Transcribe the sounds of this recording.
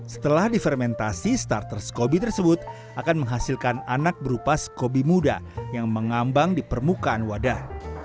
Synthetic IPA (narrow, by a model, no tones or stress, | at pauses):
sə̥t̪əlahdifɛrmɛnt̪asist̪art̪ərskobit̪ərsəbʊt̪̚ | ʔakanməŋɦasilkananak̚bəɾupasə̥kobimuda̰jaŋməŋambaŋdipərmukaːnwada